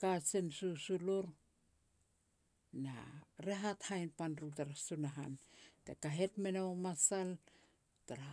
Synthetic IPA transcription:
kat͡ʃensusuloɾ | na̰ɾeɦathajnpanɾutaɾasunaɦa̰ntḛkaɦe̞tmenaomasal | taɾa

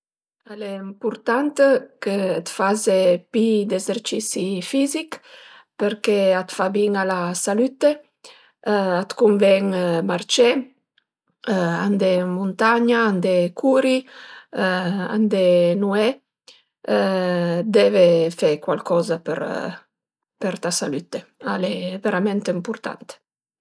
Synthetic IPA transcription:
alɛimpuɾt̪ant̪kəːt̪fazepid̪ezeɾt͡ʃisifizik | pəɾkeat̪fabiŋalasalyt̪e | at̪kuɱvɛŋmart͡ʃɛ | and̪emunt̪aɲaand̪ekʰuɾi | a̰nd̪enuɛ | d̪ɛvefɛkwa̰lkʰɔzapḛɾ | peɾt̪asalyt̪ealɛveɾamɛnt̪impuɾt̪a̰nt̪e̥

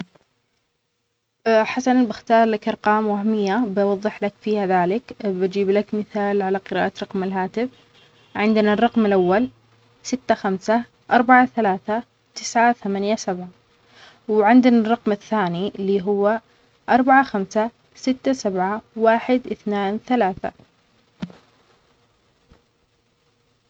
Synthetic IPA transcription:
ħasanbɪxt̪ɑːɾˤlakʔɑɾˤqɑːmwahmɪjːabwɑðˤːɨħlakfiːhaðaːlɪkbad͡ʒiːblakmɪθaːlʕalaqɨɾa̰ːʔat̪ɾˤɑqmɪlɦaːt̪ɪf | ʕɪnd̪ɪnarˤːɑqmɪlʔawːal | sɪt̪ːaxamsa | ʔɑɾˤbaʕaθalaːθa | t̪ɪsʕaθamanjasabʕa | wɪʕɪnd̪ɪnarˤːɑqmɪθːaːnilːiːɦʊwːa | ʔɑɾˤbaʕaxamsa | sɪt̪ːasabʕawaːħɪd̪ʔɪθnaːnθalaːθa̰

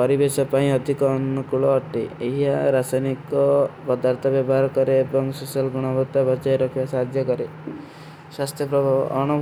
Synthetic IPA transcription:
pɔɾibesɔpaĩɔd̪ʱikɔːnːukuɭɔːʈeeɦiaɾasajnikɔpɔd̪aɾt̪ʰɔbjɔbɔɦaɾɔkɔɾeːbɔŋsosijɔlɡuɽ̃ɔbɔt̪ːabʱad͡ʒaeɾɔkʰiasad̪ʱjɔkɔɾe | swast̪ʰjɔpɾɔbʱaɔ̰ʔɔñu

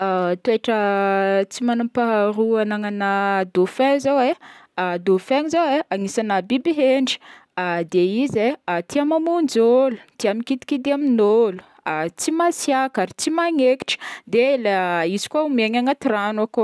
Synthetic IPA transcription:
at̪ueʈ͡ʂə | t͡simanumpaɦaɾuanaŋanad̪ofɛ̃zawead̪ofɛŋizaweaŋisanabibiɦeɳɖ͡ʐi̥ | ad̪eizeat̪iamamund͡ʒolu̥t̪iamikit̪i̥kid̪eaminolu̥ | at͡simasjakaɾit͡simaŋeki̥ʈ͡ʂə̥d̪elaizi̥kwaumeɲaŋat̪iɾanako

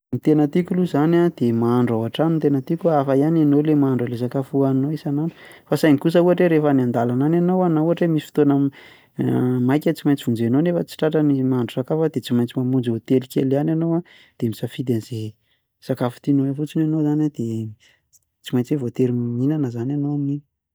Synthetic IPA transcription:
mit̪enət̪ikuluzanad̪̥emaaɳɖ͡ʐaaʈ͡ʂanint̪enət̪ikuafajananolemaaɳɖ͡ʐales̬akafuaninoisananu̥fasajnikus̬əuaʈ͡ʂeɾefaniand̪alanananowanauaʈ͡ʂemisi̥fi̥t̪onə | majkʲat͡simajnt͡si̥vund͡zenonefət͡si̥ʈ͡ʂaʈ͡ʂənimaaɳɖ͡ʐusakafəd̪et͡simajnt͡simamund͡zvot̪elikʲelananowa | d̪̥emisafid̪anze | sakafu̥t̪inoefut͡sinanozanad̪̥e | t͡simajnt͡sievot̪eɾimminanəzananoamini̥

